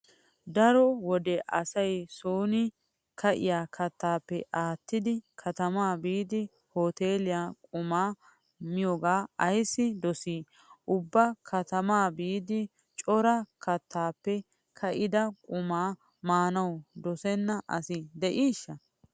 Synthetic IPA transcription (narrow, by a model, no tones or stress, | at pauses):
d̪ɐɾɔwɔd̪ɛʔɐsɐjsoːnɪ | kʰɐʔɪ̰jaːkʰɐt̪ːaːpːɛʔaːt̪ːɪd̪ɪkʰɐt̪ɐmaːbiːd̪ɪ | hoːt̪eːlɪjaːkʼʊmaː | mɪjɔɡaːɐjsːɪd̪ɔsiː | ʔʊbːɐkʰɐt̪ɐmaːbiːd̪ɪ | t͡ʃʼɔɾɐkʰɐt̪ːaːpːɛ | kʰɐʔɪd̪ɐkʼʊmaː | maːnɐwd̪ɔsɛnːɐʔɐ̰sɪd̪ɛʔiːʃːɐ